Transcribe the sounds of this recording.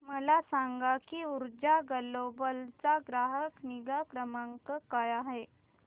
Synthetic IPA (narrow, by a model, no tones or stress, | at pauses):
məlasaŋɡakiuɾd͡ʑaɡəlobəlt͡saɡɾaɦəkniɡakɾəmaŋkəkajaɦe